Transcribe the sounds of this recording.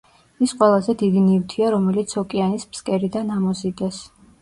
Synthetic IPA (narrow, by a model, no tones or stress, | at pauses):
isqʼwɛlˠazɛd̪id̪inivt̪ʰiaɾɔmɛlit̪sʰɔkʼianispskʼɛɾid̪anamɔzid̪ɛs